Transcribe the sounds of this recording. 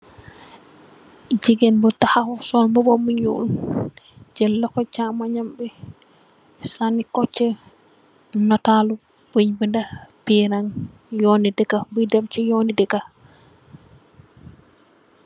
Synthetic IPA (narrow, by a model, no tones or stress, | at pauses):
d͡ʒiɡɛnbɔtahahɔsɔnmɔbɔmuɲṵʔun | d͡ʒɛlːɔkɔt͡ʃamaɲambɛ | sanikɔt͡ʃːɛ | natalu | bɲbɛndapiɾaŋ | jonidɛkabudɛbt͡ʃɛjɔnidɛka